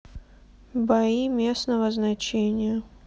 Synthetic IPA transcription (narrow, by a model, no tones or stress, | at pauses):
bɐimʲesnəvəznɐt͡ɕenʲɪjə